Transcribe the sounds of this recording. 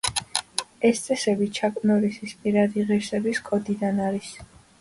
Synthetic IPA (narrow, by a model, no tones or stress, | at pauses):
ɛst̪sʼɛsɛbit͡ʃʰakʼnɔɾisispʼiɾad̪iʁiɾsɛbiskʰʼɔd̪id̪anaɾis